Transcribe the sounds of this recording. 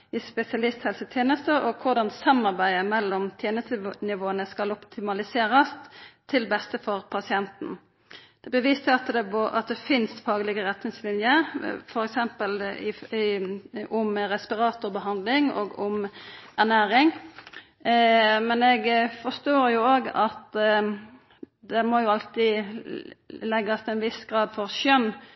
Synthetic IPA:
ɪspɛsɪɑlɪst̪hɛlsət̪ʰjeːnəst̪əɔkʰʊʁd̪ɑnsɑmːɑʁbæɪəmɛlːɔmt̪ʰjeːnəst̪ənɪʋoːənəskɑlɔpt̪ʰɪmɑlɪseːɾəst̪ʰɪlbɛst̪əfɔʁpʰɑsɪɛnt̪n̩ | d̪̥ɛbəʋiːst̪əɑt̪d̪ɛpɔʔɑ̰t̪̚d̪ɛfɪnst̪fɑːɡəlɪɡəʁɛt̪nɪŋslɪnjəfɔɾɛksɛmpəlɪ | ʊmɾɛspɪɾɑːt̪ʊʁbəɦɑnd̪lɪŋo̰ːɡʊmæʁnæːɾɪŋ | mɛnɛɡfɔst̪oːɾjʊoːɡɑt̪ | d̪ɛmojʊɑlt̪ɪ | lɛɡːɑst̪ʰɛnʋɪsɡ̥ɾɑːd̪fɔɾʃœnː

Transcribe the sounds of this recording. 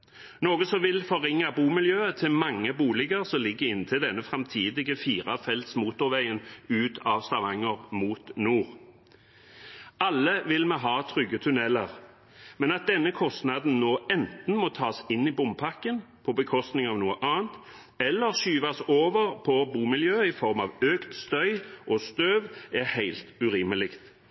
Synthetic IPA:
noːɡəsɔmʋɪlfɔʁɪŋːabuːmɪljøːət̪ʰɪlmɑŋːəbuːlɪɡəʁsɔmlɪɡːəʁɪnt̪ʰɪld̪ɛnːəfʁɑmt̪ʰiːd̪ɪɡəfiːʁɑfɛlt̪smuːt̪ʊʁʋæɪənʉːt̪ʰɑʋst̪ɑʋɑŋːəʁmuːt̪nuːʁ | ʔɑlːəʋɪlmɛɦɑːt̪ʰʁʏɡːət̪ʰʉnɛləʁ | mɛnɑt̪̚d̪ɛnːəkʰɔst̪nɑd̪n̩noːɛnt̪n̩mɔt̪ʰɑːsɪnːibʊmpʰɑkːənpʰɔbəkʰɔst̪nɪŋɑʋnuːəʔɑːənt̪ | ɛlːəʁʃyːʋɑsoːʋəʁpʰɔbuːmɪljøːɪfɔʁmɑʋøːkt̪st̪œʏʔost̪øːʋɛhæɪlt̪ʉʁɪməlɪkt̪

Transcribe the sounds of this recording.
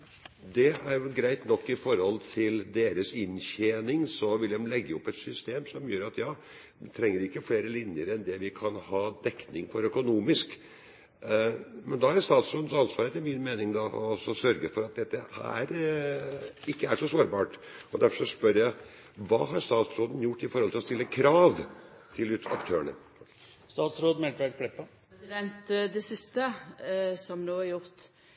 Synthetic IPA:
d̪ɛæɾjʊɡɾæɪt̪nɔkːɪfɔɾhɔlt̪ʰɪld̪eːɾəsɪnçeːnɪŋsɔʋɪld̪ɛmlɛɡːəɔpːɛt̪sʏst̪eːmsɔmjøːɾɑt̪jɑː | ʋɪt̪ʰɾɛŋːəɾɪkːəfleːɾəlɪnjəɾɛnd̪ɛʋɪkʰɑnhɑːd̪ɛkːnɪŋfɔɾœkʊnuːmɪsk | mɛnd̪ɑhɑɾst̪ɑːt̪sɔnd̪əsɑnsʋɑːɾət̪ʰɪmɪnmeːnɪŋd̪ɑʔɔɔsːɔsœɾɡəfɔɾɑt̪̚d̪ɛt̪ːəhæ̰æ̰ɾ | ɪkːəæʂɔsoːɾbɑːʈɔd̪æɾfɔɔspœɾjæɪ | ʋɑ̰ːɦɑɾst̪ɑːt̪sɾoːd̪njʊʈːɪfɔɾhɔlɪlɔst̪ɪlːəkʰɾɑːʋt̪ʰɪlʉt̪ɑ̰kt̪ʰøːəɳə̰ | st̪ɑːt̪sɾoːd̪mɛlt̪ʋæd̪kʰɽɛpːə | sɪd̪ɛnt̪d̪ɛsɪst̪ə | sɔmnoːɑɾjʊʁt̪

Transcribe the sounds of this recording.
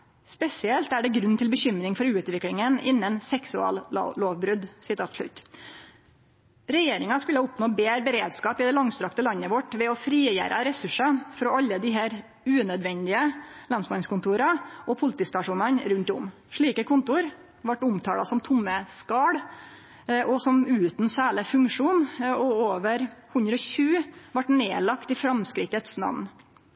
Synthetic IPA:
spɛsɪɛlt̪æɖɛɡɾʉnt̪ʰɪlbəçʏmɾɪŋfɔɾʉːt̪ʋɪklɪŋənɪ̰nːənsɛksʉɑ̰ːl̰ːloːʋbɾʉd̪sɪt̪ʰɑːt̪ʂlʉ̰t̪ː | ɾɛjeːɾɪŋɑskʉlːəʊpnoːbeːɾbəɾeːd̪skɑːpɪd̪ɛlɑŋst̪ɾɑkt̪əlɑnːəʋɔʈʋɛɔfɾiːjæ̰ːɾʔɑ̰ɾɛsʉʂɑfɾɔːɑlːəd̪ɪɦæːɾ | ʉːnœd̪ʋɛnd̪ɪəlɑnsmɑnskʊnt̪uːɾɑʔɔpʰʊlɪt̪iːst̪ɑʂuːnɑnɾʉnt̪ʊ̰m | ʂɭiːkəkʰʊnt̪ʊɾ | ʋɑʈːʊmt̪ʰɑːlɑ̰sɔmt̪ʰʊmːəskɑːɽ | ʔɔsɔmʉːt̪nsæːɭəfʉŋkʂuːnɔoːʋəɾhʉnd̪ɾəɔçʉːʋɑʈneːlɑkt̪ɪfɾɑmskɾɪt̪ːət̪snɑ̰ʋn

